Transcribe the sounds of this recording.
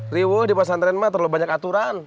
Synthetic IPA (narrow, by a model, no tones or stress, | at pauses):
riwohdipas̬ant̪ɾɛnmat̪ərlobaɲakat̪uɾan